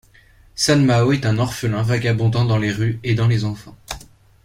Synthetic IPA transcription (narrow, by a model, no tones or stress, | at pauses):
sanmaoɛt̪ɛ̃nɔʁfəlɛ̃vaɡabɔ̃d̪ɑ̃d̪ɑ̃leʁyed̪ɑ̃lezɑ̃fɑ̃